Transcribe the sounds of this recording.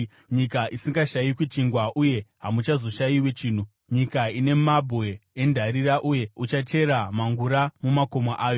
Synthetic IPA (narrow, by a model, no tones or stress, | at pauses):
ɲikaʔisiŋɡaʃajikwit͡ʃiŋɡwaʔuje̞ɦamut͡ʃazo̞ʃajiwet͡ʃiːn̤u | ɲikaine̞mabʱwe̞ːndʱaɾiraʔuje̞ut͡ʃat͡ʃe̞ɾamaŋɡuɾamumako̞maʔaːjo̞